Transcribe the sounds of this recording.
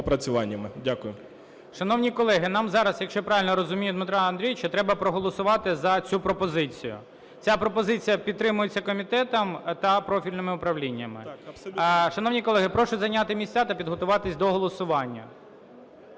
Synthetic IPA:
pɾɐt͡sʲʊʋɑnʲːɐmɪdʲakʊjʊ | ʃɐnɔʋnʲikɔlˠɛɦɪnɑmzɑɾɐsjɐkʃt͡ʃɔpɾɑʋʲɪlʲnɔɾɔzʊmʲijʊd̪mɪt̪ɾɑɐnd̪ɾʲijt͡ʃɔt̪ɾɛbɐpɾɔɦɔlˠɔsʊʋɑt̪ɪzɐt͡sʲupɾɔpɔzɪt͡sʲḭjʊ̰ | t͡sʲapɾɔpɔzɪt͡sʲijɐpʲid̪t̪ɾɪmʊjet͡sʲːɐkɔmʲit̪ɛt̪ɐmt̪ɐpɾɔfʲilʲnɪmɪʊpɾɐʋlʲinʲːɐmɪ̰ | ʃɐnɔʋnʲikɔlˠɛɦɪpɾɔʃʊzɐnʲat̪ɪmʲisʲt͡sʲat̪ɐpʲid̪ɦɔt̪ʊʋɑt̪ɪsʲd̪ɔɦɔlˠɔsʊʋɑnʲːɐ̰

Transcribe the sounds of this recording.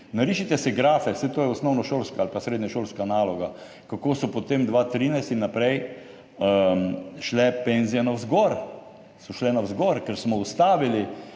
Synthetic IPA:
naɾiːʃit̪ɛsɛɡɾaːfɛsɛt̪oːjɛɔsnɔwnɔʃoːlskaalpasɾeːd̪ɲɛʃolskanaːlɔɡa | kakoːsɔpɔt̪emd̪ʋaːt̪ɾiːnajst̪inːapɾɛj | ʃlɛpenzijɛnawzɡɔɾ | sɔʃlɛnazɡɔɾkɛɾsmɔust̪aːʋili

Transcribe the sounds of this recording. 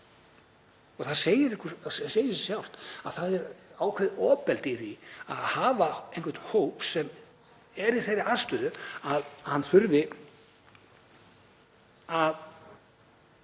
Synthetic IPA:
ɔɣθaðseːjɪɾɪhkʰʏɾsseːjɪsjawl̥t̪aðθaðɛɾaːwkʰvɛðɔːpɛlt̪ɪiθvia̰ðhaːvaẽjhŋkvɛt̪nhoːwpsɛm | ɛɾiθejɾɪast̪ʏðʏaðhanːθʏɾvɪ | að

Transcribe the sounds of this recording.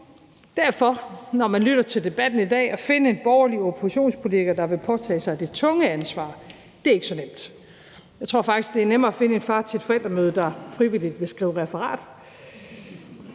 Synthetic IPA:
d̥æɐfɒ̽nɒmænlyɾ̥ɐt͡sʰe̝ld̥e̝b̥æd̥n̩id̥ɛ̰ːɒ̽fe̝nəe̝nb̥ɒʊɐliopʰosiɕo̝̰ːnspʰo̝lit͡sʰiɡ̥ɐd̥ɑ̈ʋe̝pʰɒ̽t͡sʰɛ̰ːsɑ̈ɪd̥e̝t͡sʰɔ̽ŋəænsʋɑ̰̈ː | d̥e̝æɐe̝ɡ̥əsɒ̽nem̰d̥ | jɑt͡sʰʁo̝ɐ̰fɑ̈ɡ̥d̥isɡ̥d̥e̝æɐnem̰ɐæfe̝nəe̝d̥fɑ̈ːt͡sʰee̝d̥fɒ̽el̰d̥ɐmøːð̞ˠəd̥ɑ̈fʁiʋilid̥ʋe̝sɡ̥ʁḭːʊəʁɛfɐʁɑ̰̈ːd̥

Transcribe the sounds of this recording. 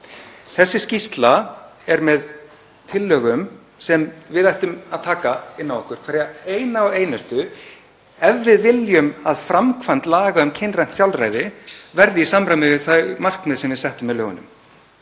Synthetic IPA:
θɛsːɪscist̪laɛɾmɛð | t̪ʰɪlːœːɣʏm | sɛmvɪðajht̪ʏmaðt̪ʰaːkaɪnːavɔhkʏɾkʰvaːɾjaejnaɔeːjnʏst̪ʏ | ɛvːɪðvɪljʏmaðfɾamkʰvant̪laːɣaʏmcʰɪnrajn̥t̪sjawlraːjðɪvɛɾðɪisamɾamɪvɪθajmar̥knɛðsɛmvɪðsɛht̪ʏmvɛðlœːɣʏ̰nʏ̰m

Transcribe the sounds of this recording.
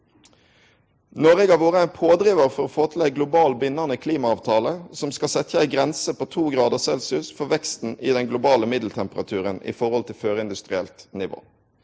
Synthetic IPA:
nɔːʁeːɡɑʋoːʁəæɪnpʰoːd̪ɾiːʋəʁfɔʁoːfoːt̪ʰɪlæɡlʊbɑːlbɪnɑnəkʰliːmɑɑːʋt̪ʰɑːləsɔmskɑsɛt̪çəæɪɡʁɛnsəpoːt̪ʰuːɡʁɑːd̪əsɛlsʉsfɔʋɛkst̪n̩ɪːd̪ɛnɡlʊbɑːləmɪd̪l̩t̪ʰɛmpəʁɑt̪ʰʉːʁənḭfɔʁɔlt̪ʰɪlføːʁəɪnd̪ʉst̪ʁɪɛ̰lt̪nɪʋo̰ː

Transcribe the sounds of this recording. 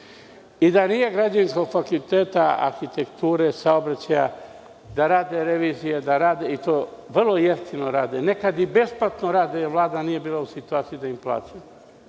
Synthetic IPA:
id̪anije̞ɡɾad͡ʑaninsko̞ɡfakult̪eːt̪aa̰ɾxit̪ekt̪uːɾe̞saobɾat͡ɕaja̰ | d̪aɾaːd̪e̞ɾe̞ʋiːzijed̪aɾaːd̪eit̪oʋr̩lo̞jest̪inoɾaːd̪ene̞kad̪ibe̞splat̪noɾaːd̪eʋlˠaːd̪anije̞biːlˠausit̪uaːt̪sijid̪aimplˠa̰ːt͡ʃa

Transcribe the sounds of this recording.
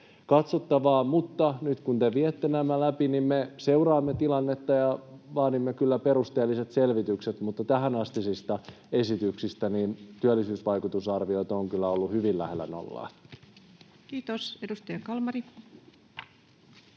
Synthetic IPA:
kɑt̪sot̪ːɑʋɑːmut̪ːɑnyt̪kunt̪eʋiet̪ːenæmːælæpinimmeseurɑːmːet̪ilɑnːet̪ːɑjɑʋɑːdimːekylːæpeɾust̪eːlːiset̪selʋit̪ykset̪mut̪ːɑt̪æhænɑst̪isist̪ɑ | esit̪yksist̪æniːnt̪yælːisyːsʋɑjkut̪usɑrʋiot̪oŋkylːæolːuhyʋilːæhelːæ̰no̰lːɑ̰ː | kiːt̪osedust̪ɑjɑkɑlmɑri

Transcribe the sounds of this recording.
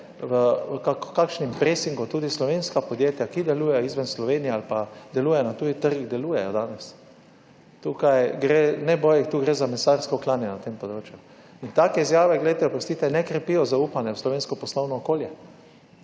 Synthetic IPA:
ʋəkakkakʃnimpɾesiŋɡut̪uːd̪islɔʋenskapɔd̪jeːt̪jakid̪ɛluːjɛizʋɛnslɔʋeːnijɛalpad̪ɛluːjɛnat̪uːjit̪əɾɡid̪ɛluːjɛjɔd̪aːnɛs | t̪ukajɡɾenɛboːjɛt̪uːɡɾezamɛsaɾskɔklaːnjɛnat̪empɔd̪ɾoːt͡ʃju | int̪aːkɛizjaːʋɛɡlɛjt̪ɛɔpɾɔst̪iːt̪ɛnɛkɾɛpijɔzauːpanjɛwslɔʋenskɔpɔslɔwnɔːkoːljɛ

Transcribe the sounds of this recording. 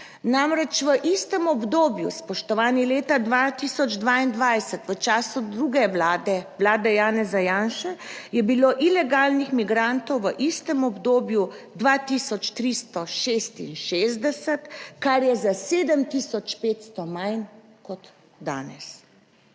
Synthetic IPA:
namɾɛt͡ʃʋəʔist̪əmɔbd̪oːbjṵspɔʃt̪ɔʋaːnileːt̪ad̪ʋat̪isɔd͡ʒd̪ʋaːind̪ʋajsɛt̪ʋət͡ʃaːsud̪ɾuɡɛd̪ɛʋlaːd̪ɛjaːnɛzajaːnʃɛjɛbiloʔilɛɡaːlnixmiɡɾant̪ɔwʋəʔist̪əmɔbd̪oːbjud̪ʋaːt̪isɔt͡ʃt̪ɾist̪ɔʃest̪inʃezd̪ɛsɛt̪kaɾjɛzaseːd̪əmt̪isɔt͡ʃpeːt̪st̪ɔmajn | kɔt̪ | d̪a̰ːnɛs

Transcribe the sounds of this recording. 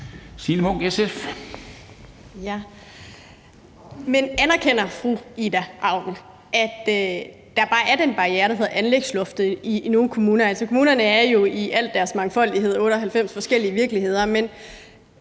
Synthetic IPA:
siləmɔŋ̰ɡ̥esef | jæ | menænɐkʰen̰ɐfʁuid̥æʔɑ̈ʊ̰d̥n̩ | ʔæd̥ | d̥ɑ̈b̥ɑ̈ːæɐdenb̥ɑ̈ʁieːɐɾ̥ɦe̝ðˠænleɡ̥slɔ̽fd̥ð̩ˠino̝ːnkʰo̝muːnɐælsɒkʰo̝muːnɐnəæɐjo̝iʔæl̰d̥æɐsmɑ̈ŋfɒ̽l̰d̥iɦe̝ð̞̰ˠɔ̽ːɾ̥əɒ̽ɦælfem̰sfɒ̽sɡ̥el̰iəʋiɐɡ̥liɦe̝ð̞̰ˠɐmen

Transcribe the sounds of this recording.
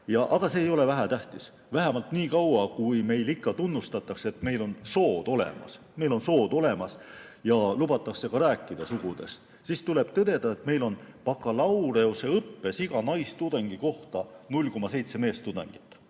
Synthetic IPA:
jɑʔɑɡ̥ɑse̞ːjo̞le̞væɦæt̪æht̪is | væɦæmɑlt̪niːkɑwɑkujme̞jlikːɑt̪unːust̪ɑt̪ːˑɑkset̪me̞jlo̞nso̞ːd̪̥o̞lḛmɑ̰s | me̞jlo̞nso̞ːd̪̥o̞le̞mɑsjɑlubɑt̪ːˑɑkse̞kɑɾæːkːˑid̪̥ɑsuɡ̥ud̪̥e̞̰st̪ | sist̪ule̞b̥t̪ɤd̪̥e̞d̪̥ɑe̞t̪me̞jlo̞npɑkːˑɑlɑwɾe̞ose̞ɤpːe̞siɡ̥ɑnɑjst̪ud̪̥ɑŋɡ̥iko̞ht̪ɑnulʲko̞mːɑse̞jt̪se̞me̞ːst̪ud̪ɑ̰ŋɡ̥it̪ːˑ

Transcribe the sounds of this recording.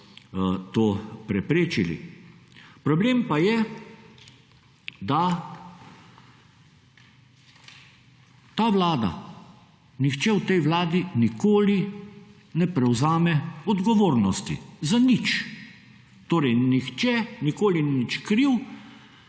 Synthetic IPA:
t̪oːpɾɛpɾeːt͡ʃilḭ | pɾɔbleːmpajɛ | d̪a | t̪aːʋlaːd̪a̰ | nixt͡ʃɛwt̪ɛjʋlaːd̪inikoːli | nɛpɾɛwzaːmɛɔd̪ɡɔʋoːɾnɔst̪ḭzanit͡ʃ | t̪oːɾɛjnixt͡ʃɛnikoːlinit͡ʃkɾiw

